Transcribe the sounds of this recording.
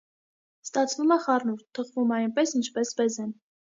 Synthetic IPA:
st̪ɑt͡sʰvumɛχɑrnuɾt̪ʰːəʁvumɑjnpɛsint͡ʃʰpɛsbɛzɛn

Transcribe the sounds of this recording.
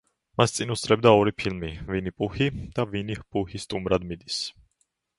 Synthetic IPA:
mast̪sʼinusʼɾɛbd̪aɔɾipʰilmivinipʼuhid̪̥avinihpʼuhist̪ʼumɾad̪mid̪is

